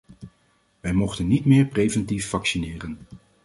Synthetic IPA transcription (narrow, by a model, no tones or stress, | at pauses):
ʋɛjmɔχtənːitmɪːɹprejvɛntifːɑksinɪːrən